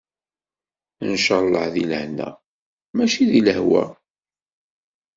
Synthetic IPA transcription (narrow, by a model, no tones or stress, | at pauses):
ənʃɑlˤːəħðiləhnæ̰ | mæʃiðiləhwæ̰